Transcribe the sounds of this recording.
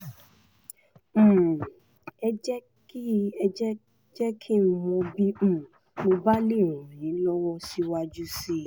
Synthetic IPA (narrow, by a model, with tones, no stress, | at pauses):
m̩̃˨ | ɛ˧d͡ʒɛ˦ | ki˦ɛ˧d͡ʒɛ˦ | d͡ʒɛ˦kʰi˦mɔ̃˧bĩ˦˨ | mõ˧ba˦le˦˨ɾũ˨ɾ̃ĩ˨˦lɔ˦wɔ˦si˧wa˧d͡ʒu˦si˦